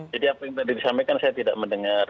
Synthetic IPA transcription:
d͡ʒadiapajaŋt̪adidisampekansajat̪ida̰ʔməndəŋar

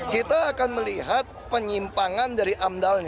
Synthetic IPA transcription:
kit̪aːkanməliɦat̪̚pəɲimpaŋandaɾiʔamdalɲ

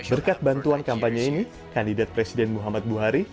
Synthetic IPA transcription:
bərkat̪̚bant̪uankampaɲaini | kandidat̪̚pɾɛsidɛnmuɦamat̪̚buɦaɾi

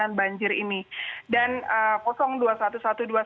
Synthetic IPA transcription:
anbaɲd͡ʒɪɾinidanəkɔsɔŋduasat̪usat̪udua

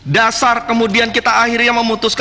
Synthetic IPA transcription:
dasarkəmudiankit̪aːhirɲaməmut̪ʊsk

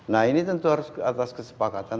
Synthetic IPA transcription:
nainit̪ənt̪uɦaɾuskat̪askəsə̥pakat̪an

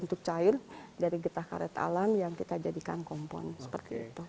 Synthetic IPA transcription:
unt̪ʊk̚t͡ʃaɪrdaɾiɡət̪ahka̰ɾɛt̪a̰lamjaŋkit̪ad͡ʒadikankɔmpɔ̰nsə̥pərt̪iḭt̪u

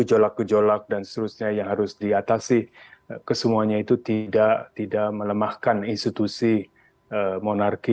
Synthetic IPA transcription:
əd͡ʒolak̚ɡəd͡ʒolak̚dansə̥t̪əɾusɲajaŋɦaɾʊsdiat̪asɪkəsəmuaɲait̪ut̪idaʔt̪idaʔmələmahkaninst̪it̪usi | əmonarki

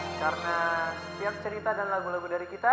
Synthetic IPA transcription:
kaɾəna | t̪iak̚t͡ʃəɾit̪adanlaɡulaɡudaɾikit̪a

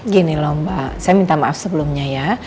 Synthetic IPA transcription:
ɡinilɔmbasajamint̪amaʔafsəbəlʊmɲaja

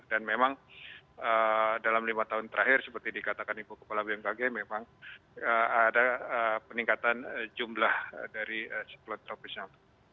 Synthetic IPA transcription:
danmemaŋ | ədalamlimat̪aɦʊnt̪əɾaɦɪrsəpərt̪idikat̪akanibukə̥palabiaŋbaɡɛmemaŋ | əadaəpəniŋkat̪and͡ʒumlahdaɾiəsɛ̥t̪lɔt̪ɾopisna

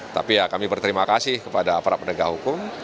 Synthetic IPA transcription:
t̪a̰pijakamibərt̪əɾimakasɪhkəpadaːpaɾapənəɡahɦukʊm

